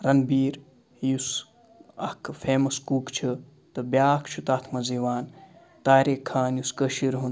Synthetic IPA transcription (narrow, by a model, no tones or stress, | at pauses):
ɾɐnbiːɾ | jus | ɐ̰kʰfʰeːmɐskuːkt͡ʃʰi | t̪ɨbjaːkʰt͡ʃʰut̪aːt̪ʰmɐziːʋaːn | t̪aːɾeːkʰːaːnjuskəʃiɾɦun